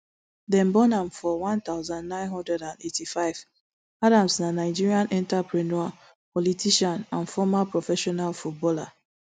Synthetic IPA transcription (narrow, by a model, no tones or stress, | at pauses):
dɛ̃mbɔnãmfɔwãnt̪aʊzãndnãɪ̃nɦɔ̃ndɹɛdãnetʰifaɪv̥ | adãmsnanaɪd͡ʒiɹiãnʔɛ̃ntapɹɛnɔa | pɔlitiʃãnãnfɔmapɹɔfɛʃɔnalfut̚bɔla